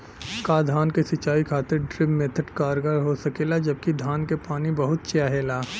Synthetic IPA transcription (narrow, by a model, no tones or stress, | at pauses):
kaːd̪ʱaːnkesɪt͡ʃaːikʰaːt̪ɪɾɖɾɪbmẽt̪ʰəʈkaːɾɡaːɾɦosɐkeːlad͡ʒɐb̚kid̪ʱaːnkepaːnibɐɦʊt̪̚t͡ʃjaːɦeːlaː